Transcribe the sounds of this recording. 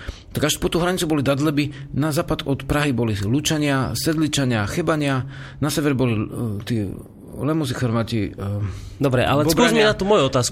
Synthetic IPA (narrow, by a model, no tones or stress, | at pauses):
t̪aɡaʃpɔt̪uːɦɾaɲit͡subɔlid̪ad̪lɛbinazaːpad̪ɔt̪pɾaɦibɔlilut͡ʃaɲɪasɛd̪lit͡ʃaɲɪaxɛbaɲɪanasɛʋɛɾbɔlit̪iː | lɛmuzixɔɾʋaːci | d̪ɔbɾɛʔa̰lɛsuzmiɛnat̪umɔjuɔt̪aːs